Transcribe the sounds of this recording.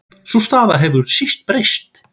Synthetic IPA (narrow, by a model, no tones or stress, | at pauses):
sust̪aːðaɦɛvʏɾsist̪̚pɾejst̪